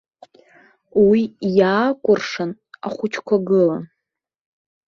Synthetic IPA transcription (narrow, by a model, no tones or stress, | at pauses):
wijaːkʷʼʊrʂan | aχʷʊt͡ʃʰkʷʰaɡɨla